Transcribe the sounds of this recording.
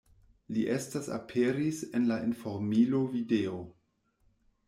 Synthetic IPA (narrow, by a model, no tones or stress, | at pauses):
liʔe̞stasa̰pʰeɾisenlaʔinfoɾmilovideo